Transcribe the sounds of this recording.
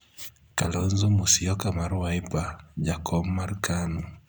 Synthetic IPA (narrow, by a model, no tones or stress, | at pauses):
kalonzomusiɔkamaɾwaipad͡ʒakʰɔmːarkanu